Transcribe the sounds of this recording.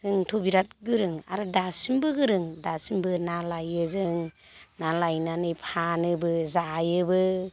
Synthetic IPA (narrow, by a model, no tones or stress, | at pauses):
zɯŋtʰobiɾat̚ɡɯɾɯŋa̰ɾɯdasimbɯɡɯɾɯŋdasimbɯnalajɯzɯŋ | nalajnanɯjpʰanɯbɯzaːjɯbɯ